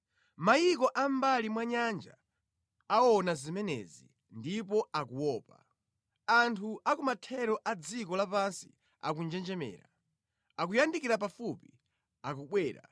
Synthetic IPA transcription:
majikɔʔam̩balimwaɲand͡ʒa̰ː | ɔnazimɛnɛ̰zḭ | ndip̬ɔakuwɔːpa | antʰuʔakumatʰɛɾɔʔad͡zikɔlapansi̥̰ | a̰kund͡ʒɛnd͡ʒɛmɛ̰ːɾa̰ | ak̬ujandikiɾap̬afupi | akuɓwɛːɾa̰

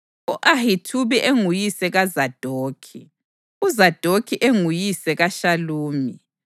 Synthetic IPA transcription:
uʔahitʰuβiʔeŋujisɛɣazad̥ʱoːkʰi | uzad̥ʱokʰiʔeŋujisɛɣaʃaluːmi

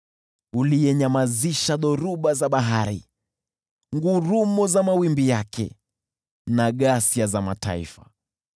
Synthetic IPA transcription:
ulijɛɲamaziʃaðɔɾuɓazaɓaɦaɾḭ | ŋɡuɾumɔzamawimbijakʰɛ̰ | naɠasiazamata̰ḭfa

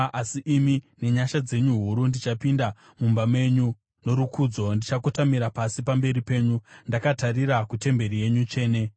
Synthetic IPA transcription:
asiʔːmine̞ɲaʃad͡ze̞ɲuɦuɾundit͡ʃapinda | mumbamwe̞ɲu | no̞ɾukʰuːd͡zo̞ndit͡ʃakotamiɾapasipambe̞ɾipe̞ːɲundakatariɾakute̞mbe̞rije̞ɲut͡ʃe̞ːne̞

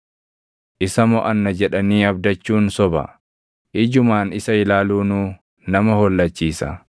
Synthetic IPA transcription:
ʔɪsɐmɔʔɐnːɐd͡ʒɛᶑɐniːɐbd̪ɐt͡ʃːuːnsɔbɐ̰ | ʔɪd͡ʒʊmaːnɪsɐɪlaːluːnuː | nɐmɐhɔlːɐt͡ʃːiːsɐ̰

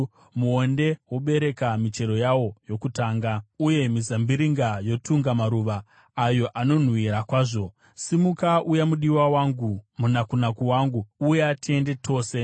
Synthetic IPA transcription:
muo̞nde̞woɓe̞ɾe̞kamit͡ʃe̞ɾo̞jawo̞jo̞kutaːŋɡauje̞mizambiɾiŋɡajo̞tuŋɡamaɾuʋaː | jo̞ʔano̞n̤wiɾakwaːʐo̞ | simukaʔujamuɗiwawaŋɡumunakunakuwaŋɡuːjeatie̞nde̞tʰo̞ːse̞

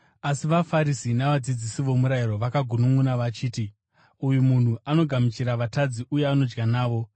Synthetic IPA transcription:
asiʋafaɾisinaʋad͡zid͡zisiʋo̞muɾairo̞ʋakaɡʱunuŋunaʋat͡ʃiːti | ujumun̤uʔano̞ɡʱamit͡ʃiɾaʋatad͡ziʔuje̞ano̞d͡ʒɡanaːʋo̞

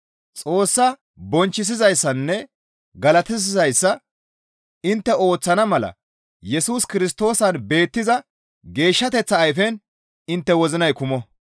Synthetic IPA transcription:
t͡sʼo̞ːsːɐ | bɔnt͡ʃːɪs̬ɪzɐjsːɐnːɛ | ɡɐlɐt̪ɪs̬ɪzɐjsːɐ | ɪnt̪ːɛo̞ːt͡sːɐnɐmɐlɐ̰ | jɛsuːskɪɾɪst̪o̞ːsɐnbe̞ːt̪ːɪzɐ | ɡe̞ːʃːɐt̪ɛt͡sːɐːjfɛn | ɪnt̪ːɛwɔzɪnɐjkʊmɔ

